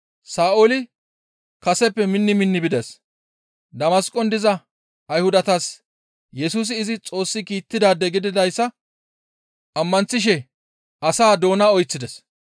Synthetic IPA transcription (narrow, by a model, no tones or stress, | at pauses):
saːʔolɪ | kɐsɛpːɛmɪnːɪmɪnːɪbɪd̪ɛs | d̪ɐmɐskʼɔnd̪ɪzɐ | ɐjhʊd̪ɐt̪as | jɛsuːs̬ɪːzɪt͡sʼo̞ːsːɪkiːt̪ːɪd̪aːd̪ɛɡɪd̪ɪd̪ɐjsːɐ | ʔɐmːɐnt͡sːɪʃ̬ɛ | ʔɐsaːd̪o̞ːnaɔjt͡sːɪd̪ɛs